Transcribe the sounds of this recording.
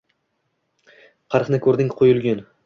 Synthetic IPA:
qʰɑɾqnɪkʲʰɵɾd̪ɪŋqʰojʊlˠɡʲʊn

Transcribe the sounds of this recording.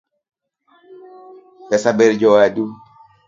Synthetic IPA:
bɛsabɛɾd͡ʒɔwadu

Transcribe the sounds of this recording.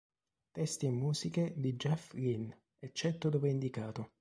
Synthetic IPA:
t̪ɛst̪iimːuːsiked̪id͡ʒɛfrin | ɛt͡ʃːɛt̪ːod̪oːveind̪ikaːt̪ʊ

